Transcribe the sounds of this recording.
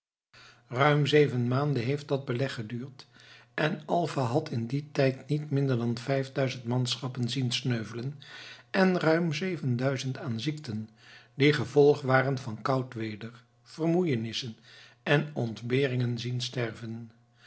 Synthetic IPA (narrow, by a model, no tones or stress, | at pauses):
rœɥmzejvənmaːndəɦejft̚dɑd̚bəlɛχːədyːɹtʔɛnɑlˠvaɦɑtɪnditɛjtnitmɪndəɹdɑnvɛjvdœɥzəntmɑnsχɑpənzinsnøɥvələnʔɛnrœɥmzejvəndœɥzəntaːnziktən | diχəvɔlˠχʋaːrənvɑnkɑwtʋeːdəɹ | v̥ərmujənɪsən | ɛnɔntbɪːrɪŋənzinstɛɹvən